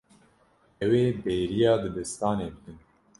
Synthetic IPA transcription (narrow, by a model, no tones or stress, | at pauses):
ɛweːbeːɾijɑːd̪ɨd̪ɨst̪ɑːneːbɨd̪ɨn